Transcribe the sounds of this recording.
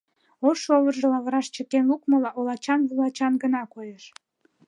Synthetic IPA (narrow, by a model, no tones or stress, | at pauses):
oʃoβərʒəlɑβəɾɑʃt͡ɕəkenlukməlɑʔolɑt͡ɕɑnβulɑt͡ɕɑnɡənɑkojeʃ